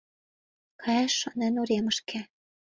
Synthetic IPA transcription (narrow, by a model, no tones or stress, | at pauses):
kʰɑæʃːɤ̆nænuɾemɤ̆ʃkĕ